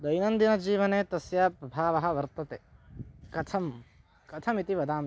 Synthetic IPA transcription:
d̪ɐjnɐnd̪inɐd͡ʒiːʋɐneːt̪ɐsjaːpɾɐbʱaːʋɐɦɐ̆ʋɐɾt̪ɐt̪eːkɐt̪ʰɐm | kɐt̪ʰɐmit̪iʋɐd̪aːm

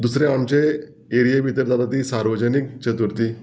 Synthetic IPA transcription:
d̪usɾeamt͡ɕe | eɾijebʱit̪əɾd̪at̪at̪iːsaɾʋəd͡ʑənikt͡ɕət̪uɾt̪iː

